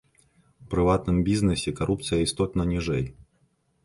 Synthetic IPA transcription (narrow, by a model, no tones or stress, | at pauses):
fpɾɨvat̪nɨmbʲiznɨsʲɪkɐɾʔup̚t̪sɨjɐist̪ɔt̪nɐnʲiʐɛj